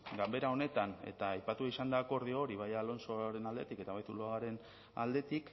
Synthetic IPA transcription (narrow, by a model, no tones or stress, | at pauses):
ɡambe̞ɾao̞ne̞t̪ane̞̰t̪aːjpat̪ueisand̪ako̞ɾð̞iooɾiβ̞ajaːlo̞nso̞ɾe̞nald̪e̞̰t̪ike̞t̪aβajt̪uloaɣaɾe̞n | a̰ld̪e̞t̪ik